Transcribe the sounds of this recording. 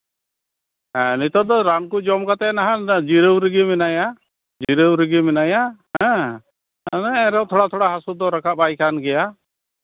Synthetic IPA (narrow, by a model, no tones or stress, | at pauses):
ɛnit̪ɔd̪ɔɾankud͡ʒɔmkat̪ɛnaɦãd͡ʒiɾəwɾiɡimɛnaja | d͡ʒiɾəwɾiɡimɛnajaɦɛ̃ | ɛɾɛwt̪ʰɔɽat̪ʰɔɽaɦasud̪ɔɾakʰapajkʰanɡɛja